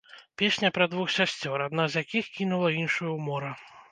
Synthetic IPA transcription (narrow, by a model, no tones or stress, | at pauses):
pʲesʲnʲɐpɾɐd̪vuxsʲasʲt͡sʲɔɾad̪nazjakʲixkʲinulˠɐinʂujɐwmɔɾɐ